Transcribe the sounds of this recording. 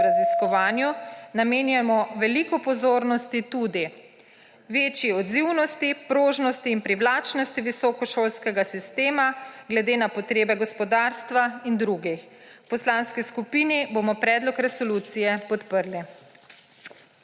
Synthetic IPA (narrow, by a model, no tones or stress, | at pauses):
ɾaziskɔʋaːnjunameːnjamɔʋɛlikɔpɔzoːɾnɔst̪it̪ud̪i | ʋeːt͡ʃjiɔd̪ziwnɔst̪ipɾoːʒnɔst̪iːnpɾiwlaːt͡ʃnɔst̪iʋisɔkɔʃoːlskɛɡasist̪eːmaɡlɛd̪eːnapɔt̪ɾeːbɛɡɔspɔd̪aːɾst̪ʋaind̪ɾuɡix | wpɔslanskiskupiːnibomɔpɾɛːd̪lɔkɾɛsɔlut̪sijɛpɔt̪pəɾli